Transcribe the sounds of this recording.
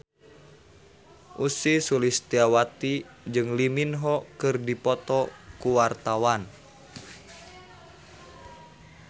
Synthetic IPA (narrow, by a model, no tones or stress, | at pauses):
ʔusisulist̪iawat̪i | d͡ʒɨŋliminɦɔkɨrdipɔt̪ɔkuwart̪awan